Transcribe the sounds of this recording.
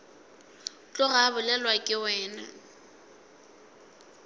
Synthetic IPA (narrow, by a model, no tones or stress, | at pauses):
t͡ɬʼʊɣabʊlɛlwakʼɪwɛːna̰